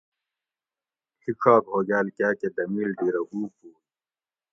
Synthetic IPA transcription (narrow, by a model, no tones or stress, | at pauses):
hʰikʰaːkɦoːɡaːlkaːked̪ɐmiːlɖ̪iːɾɐɡuːpuː